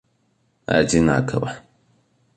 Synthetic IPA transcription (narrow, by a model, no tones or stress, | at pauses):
a̰d͡ʒina̰kʰɐ̰ba